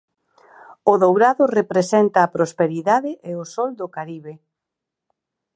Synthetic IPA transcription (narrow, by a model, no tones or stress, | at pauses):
ʊðowɾaðʊrepɾesent̪ɐːpɾospeɾiðaðɪʔeosɔld̪ʊkaɾiβe